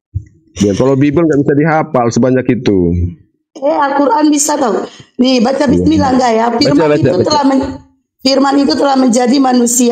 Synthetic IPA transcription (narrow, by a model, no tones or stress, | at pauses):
biakalowbibʊlŋɡaʔbisadiɦapalsəbaɲakit̪u | ɛalkuɾʔanbisat̪anibat͡ʃabisnilaŋɡajafirmaiut̪əlahmə | firmanit̪ut̪əlahməɲd͡ʒadimanusia